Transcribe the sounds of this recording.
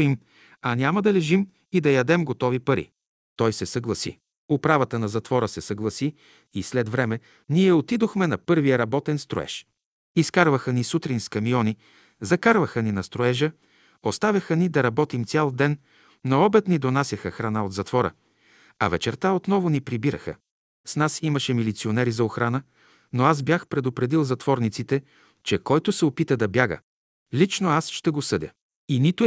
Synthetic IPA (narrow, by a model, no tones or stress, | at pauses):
im | ɐnʲaməd̪ɐlɛʒim | id̪ɐjɐd̪ɛmɡot̪ɔvipɐɾḭ | t̪ɔjsɛsɐɡlˠɐsḭ | ʊpɾavət̪ənɐzɐt̪vɔɾəsɛsɐɡlˠɐsi | islɛd̪vɾɛmɛ | niɛot̪id̪oxmɛnɐpɤɾvijəɾɐbɔt̪ɛnst̪ɾo̰ɛ̰ʃ | iskaɾvəxənisut̪ɾinskɐmiɔni | zɐkaɾvəxəninɐst̪ɾoɛʒə | ost̪avʲɐxənid̪ɐɾɐbɔt̪imt̪sʲjalˠd̪ɛn | noɔbɛt̪nid̪onasʲɐxəxɾɐnaod̪zɐt̪vɔɾə̰ | ɐ̰vɛt͡ʃɛɾt̪aot̪nɔvonipɾibiɾə̰xə̰ | snasiməʃɛmilit̪sionɛɾizɐoxɾanə | noazbjaxpɾɛd̪opɾɛd̪ilˠzɐt̪vɔɾnit̪sit̪ɛ | t͡ʃɛkɔjt̪ʊsɛopit̪əd̪ɐbjaɡə̰ | lit͡ʃnoasʃt̪ɛɡosɤd̪ʲə̰ | init̪ʊ